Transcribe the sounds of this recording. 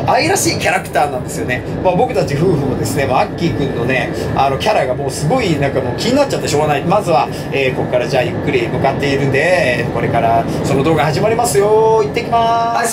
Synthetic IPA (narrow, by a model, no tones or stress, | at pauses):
aiɾaɕiːkʲaɾakɯ̥t̪aːnãnd̪e̞sɨjo̞̰ne̞ | mabo̞kɯ̟t̪at͡ɕiɸɯ̟ːɸɯ̟od̪e̞sɨne̞makʲːiːkɯ̟̃nːo̞ne̞ano̞kʲaɾaɡamo̞ːsɨɡo̞inãŋkamoːkʲiɲ̟inat̚t͡ɕat̪ːeɕo̞ːɡanaimazɨβa | eːko̞kkːaɾad͡ʑaːjɯ̟kːɯ̟ɾʲimɯ̟kat̪ːe̞iɾɯ̟̃nd̪e̞ko̞ɾe̞kaɾa | so̞no̞d̪oːɡahaʑimaɾʲimasɨjo̞it̪ːe̞ikʲimas